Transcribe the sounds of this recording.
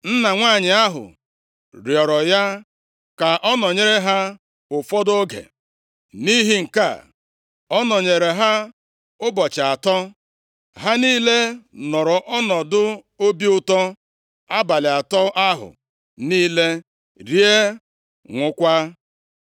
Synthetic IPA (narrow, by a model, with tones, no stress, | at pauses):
n̩˦na˨ŋʷaː˦˨ɲɪ˨a˦ɦʊ̰˨ | ɾjɔ˨ɾɔ˨ja˦ | ka˨ʔɔ˦nɔ˨ɲe˦ɾe˦ɦa˦ | ʊ˨fɔ˦do˦ɡḛ˨ | ni˦ɦi˦ŋ̩˨ka̰˦˨ | ɔ˦nɔ˨ɲe˨ɾe˨ɦa˦ | ʊ˦bɔ˨t͡ʃa˨tɔ˦ | ɦa˦niː˦le˦nɔ˨ɾɔ˨ʔɔ˦nɔ˨dʊ˦ | o˦bi˦ʊ˦tɔ˦ | a˦ba˨lɪ˨a˨tɔ˦a˦ɦʊ̰˨ | niː˦le˦ | ɾje˦ | ŋʷʊ˦kʷa˦